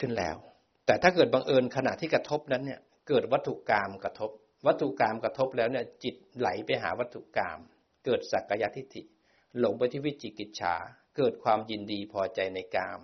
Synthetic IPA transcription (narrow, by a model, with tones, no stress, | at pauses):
kʰɯ˥˩nlɛ̰ː˦˥w | t̪ɛː˨˩t̪ʰaː˥˩kɤː˨˩t̪̚ba˧ŋʔɤː˧nkʰa˧na˨˩t̪ʰiː˥˩kɾa˧t̪ʰo˦˥p̚na˦˥nːi˥˩ə | kɤː˨˩t̪̚wa˦˥t̪ʰːu˨kaː˧mka˧t̪ʰo˦˥p̚ | wa˦˥t̪ʰːu˨˩kaː˧mkɾa˧t̪ʰo˦˥p̚lɛː˦˥wni˥˩ɐt͡ɕi˨˩t̪̚la˩˦jpa˧jɦa̰ː˩˦wa˦˥t̪ʰːu˨˩ka̰ː˧m | kɤː˨˩t̪̚sa˨˩ka˧ja˦˥t̪ʰi˦˥t̪ʰḭ˨˩ | lo˩˦ŋpa˧jt̪ʰiː˥˩wi˦˥˩t̪̚t͡ɕi˨˩ki˨˩t̪̚t͡ɕʰa̰ː˩˦kɤː˨˩t̪̚kʰwaː˧mji˧ndiː˧pʰɔː˧t͡ɕa˧jna˧jkaː˧m